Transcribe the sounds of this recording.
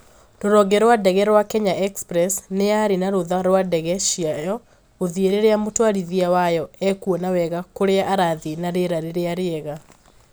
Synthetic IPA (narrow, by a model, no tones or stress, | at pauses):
ɾoɾɔɡɛɾwadɛɣɛɾwakɛɲaʔɛkspɾɛsneaɾenaɾoðaɾwadɛɣɛʃiajɔ | oðieɾeɾeamotwaɾiðiawajɔɛkuɔnawɛɣakoɾeaʔaɾaðenaɾeɾaɾeɾeaɾeɛɣa